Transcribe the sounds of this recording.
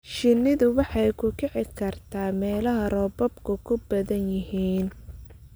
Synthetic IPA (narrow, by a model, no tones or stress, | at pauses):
ʃɪnːɪðʊwɑħɑjkʰʊkʰɛʕɪkʰɐrt̪ʰaːmɛːlɐɦɐrɔbɔbkʰʊkʰʊbɐðɐnjɪɦiːn